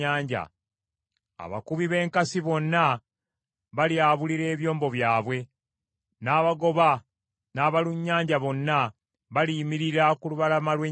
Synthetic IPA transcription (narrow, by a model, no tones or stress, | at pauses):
aːɲɟa̰ | a̰βa̰kuβiβe̞ːŋkasiβo̞nːa | βaljaːβuliɾe̞ːβjo̞ːmbo̞βjaːβwe̞ | naːβaɡo̞βa | naːβaluɲːaːɲɟaβo̞nːa | βalimiɾiɾakuluβalamalwe